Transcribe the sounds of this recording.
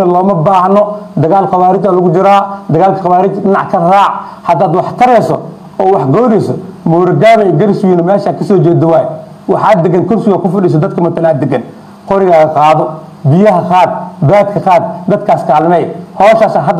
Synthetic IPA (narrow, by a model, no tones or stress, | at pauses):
ɐlɔːmɐbaːɦɐnɔd̪ɐɣaːlqɑβaːɾɪt͡ʃaːlʊɣʊd͡ʒɪɾaːd̪ɐɣaːlkʰɐqɑβaːɾɪt͡ʃɪnɑʕkʰɐraːʕ | hɐd̪aːd̪wɑħt̪ʰɐɾɛsɔ | ɔːwɑħɡɔːɾɛjsɔmuːɾɐɡaːβɛjɡɐɾɪswiːnɐmɛːʃaːkʰɐsɔːd͡ʒɛːd̪ɐwaːjɛ | wɑħaːd̪ɛɡɐnkʰʊrsɪɣɐkʊfɪɗiːs̬ɔd̪ɐd̪̚kʰɐmɐt̪ʰɐlaːd̪ɛɡɐn | qɔɾɪɣaːɣɐqɑːðɔ | bɪjɐɦɐqaːd̪baːd̪kʰɐqaːd̪̚d̪ɐd̪kʰaːskʰaːlɐnɛjhɔːʃaːsaːɦɐd̪